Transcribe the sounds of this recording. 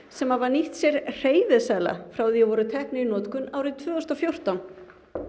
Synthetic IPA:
sɛmavaɾniht̪sjɛɾr̥eːjðɪsaːjla̰fɾaːwðiavɔɾʏt̪ʰɛhpnɪinɔːt̪kʏnaːwɾɪt̪ʰvœːɣʏst̪afjowr̥t̪awn

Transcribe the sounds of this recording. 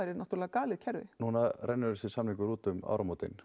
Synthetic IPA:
ajɾɪɾnaht̪ʏɾlːɣakaːlɪðcʰɛɾvɪ̰nuːnarɛnːʏɾʏsɪsamniŋkʏɾuːt̪ʏma̰ːwɾamot̪ɪ̰n

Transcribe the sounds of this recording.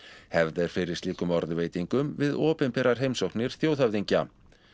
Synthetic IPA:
hɛvðɛɾ̥fɪɾɪ̥st̪iːkʏmɔɾðveːjt̪iŋkʏmvɪðɔːpɪnpɛɾaɾ̥ɦejmsowhknɪɾ̥θjowθavðiɲca

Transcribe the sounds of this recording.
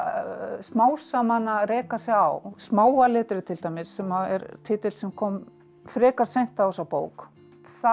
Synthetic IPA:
smaːwsamanarɛːkasɛa̰wsmaːwalɛːt̪ɾɪt̪ʰɪlt̪aːjmɪsːɛmaɛ̰ɾt̪ʰɪːt̪ɪlsɛmkʰɔm | fɾɛːkaɾ̥sejn̥t̪aɔsawpoːwk | t̪θa

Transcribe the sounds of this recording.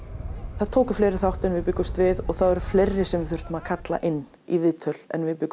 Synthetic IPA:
θaðt̪ʰoːwkʏ̥fleːjɾɪθawht̪ɛnvɪðpʏkːʏst̪vɪðɔɣθaðɛɾʏfleːjɾːɪsɛmvɪθʏr̥t̪ʏmaðkʰat̪la̰ʔɪnː | ḭvɪðt̪ʰœl̥ɛ̰nvɪðpʏkː

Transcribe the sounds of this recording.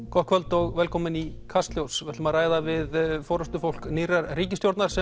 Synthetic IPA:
kʰɔhkʰvœlt̪ɔɣvɛlkʰɔːmɪnikʰast̪ljowsvɛ̥t̪maðraːjðavɪðfɔːɾʏst̪ʏfowl̥kniːɾaɾriːcɪst̪jowɾt̪naɾ̥sɛ

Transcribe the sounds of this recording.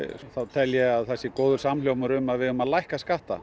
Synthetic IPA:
θaðt̪ʰɛljɛaðθɛsːɪkoːwðʏɾ̥samljowpmʏɾʏmaðvɪðʏmaðlajhkaskaht̪a̰

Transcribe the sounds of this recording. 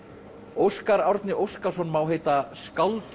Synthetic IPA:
owskaɾawɾt̪nɪʔowskḁsɔnːmaːwɦeːjt̪askawlt̪

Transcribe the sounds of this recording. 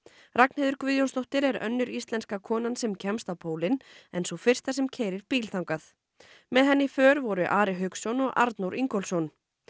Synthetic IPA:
rak̚nheðʏɾkvɪðjɔnst̪ɔht̪ɪɾɛɾœ̰nːʏɾist̪lɛnskakʰɔːnansɛmcʰɛmst̪awpʰoːwlɪnɛnsɔfɪr̥t̪asɛmcʰɛːjɾɪɾ̥piːlθʰawŋkaθ | mɛðɦɛnːɪfœːɾvɔɾʏʔaːɾɪɦʏksɔnɔɣa̰ɾt̪nuwɾiŋkɔlsɔn

